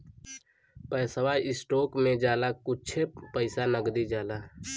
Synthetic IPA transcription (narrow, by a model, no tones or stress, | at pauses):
pəsəʋajɪsʈoːkmẽd͡ʒaːlakʊt͡ʃʰepəɪsanəɡd̪id͡ʒaːla